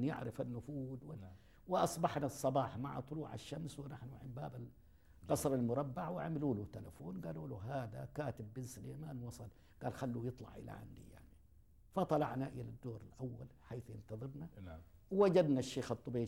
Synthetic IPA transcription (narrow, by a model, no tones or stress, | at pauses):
njɪ̰ʕɾɪfanːʊfuːd̪wɪ | wɪʔɑsˤbɑħnasˤːɑbɑːħma̰ʕ̰t̪ˤʊluːʕa̰ʃːamswɪnaħnuʕɪmbaːbal | ɣɑsɾˤalmʊɾˤɑbːaʕwɪʕamɪluːlut̪ːalafoːnɡaːluːluɦaːd̪a̰kaːt̪ɪbːɪnslemaːnwɑsˤɑl | ɡ̥aːlxalːujɨt̪ˤlɑ̰ʕʔɪ̰la̰ʕa̰nd̪ḭja̰ʕni | fɑt̪ˤɑlɑ̰ʕnaʔɪlad̪ːoːɾalʔawːa̰lħaːθjɪnt̪ɑðˤɨɾna | wwad͡ʒad̪naʃːeːxɑt̪ˤːʊbeː